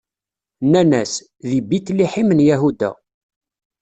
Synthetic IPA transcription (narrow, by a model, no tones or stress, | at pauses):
nænæs | ðibit̪ːliħimənjæɦud̪æ̰